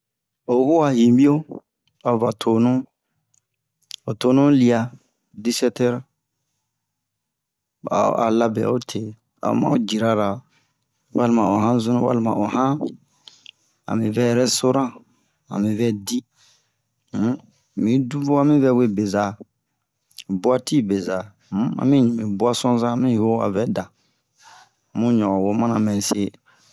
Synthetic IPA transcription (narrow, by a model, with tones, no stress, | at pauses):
o˨˦hu˦wa˨hĩ˨bi˦o˦ | a˨o˨va˨tʰo˨nũ˦ | o˨to˦nũ˦li˦a˧ | di˦sɛ˦tɛ˦ɾ | a̰˨a̰˨la˦bɛ̰˨o˦tʰe˨ | a̰˨o̰˦mã̰˦o˦d͡ʒi˨ɾa˨ɾa˨ | wa˦li˦˨mã˨o˨ɦã˦zũ˦nũ˦wa̰˦lmã̰˨ʔo˨hã˦ | a̰˨mĩ˨vɛ˦jɛ˨ɾɛ˦so˦ɾã˦ | ã̰˨mĩ˨vɛ˦di˦ | mĩ˨du˦vo˦a˦mĩ˦vɛ˦we˦be˨za˨ | bu˦a˦ti˦be˨za˨˦ | ã̰˨mĩ˦ɲĩ˨mĩ˨bu˦a˦sɔ̃˦zã˦mĩ˦ho˦a̰˨vɛ˦dã˨ | mũ˦ɲɔ̃˨ɡɔ˨wo˦mã˦nã˨mɛ˨se˦